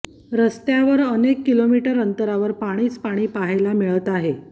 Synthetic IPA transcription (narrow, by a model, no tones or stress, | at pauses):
ɾəst̪jaʋəɾənekːilomiʈəɾənt̪əɾaʋəɾpaɽ̃iːt͡spaɽ̃iːpaɦajlamiɭət̪aɦe